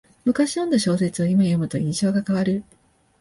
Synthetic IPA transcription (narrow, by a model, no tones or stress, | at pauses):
mɯ̟kaɕinõ̞nd̪aɕo̞ːse̞t͡sɨo̞imajo̞mɯ̟t̪o̞ĩɰ̃ɕo̞ːɡakaβaɾɯ̟